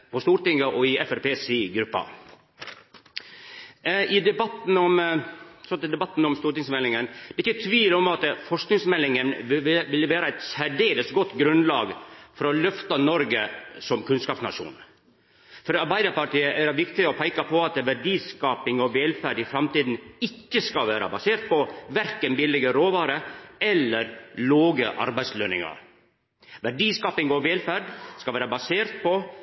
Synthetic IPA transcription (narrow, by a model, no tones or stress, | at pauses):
pʰɔst̪uːɾʈ̪ɪŋːəʔɔɪɛfɛɾpeːsiːɡɾʉpːɑ̰ | ɪd̪ɛbɑt̪n̩ɔmsɔt̪d̪ɛbɑt̪ːn̩ɔmst̪uːɾʈ̪ɪŋsmɛlːɪŋənd̪̥ɛɪçːət̪ʰʋiːlɔmɑt̪fɔʂknɪŋsmɛlːɪŋənʋɪlːəʋeːɾəæɪt̪sæɖeːləsɡɔt̪ːɡɾʉnlɑːɡfɔɾɔlœft̪ɑnɔɾɡəsɔmkʰʉnskɑːpsnɑ̰ʂṵːn | fɔɾɑɾbæɪd̪əɾpɑʈiːəʔæɾɑʋɪkt̪ɪɔpʰæɪkɑpʰɔɑt̪ʋæɖiːskɑːpɪŋɔʋɛlfæɖɪfɾɑmt̪iːd̪n̩ɪkːəskɑlʋæːɾɑ̰bɑseːɾt̪̚pɔʋæɾkənbɪlːɪɡəɾoːʋɑːɾəɛlːəɾloːɡəʔɑ̰ɾbæɪslœnɪ̰ŋɑ̰ɾ | ʋæɖiːskɑːpɪŋɔʋɛlfæɾɖskɑlʋeːɾɑbɑseːɾt̪̚pʰɔ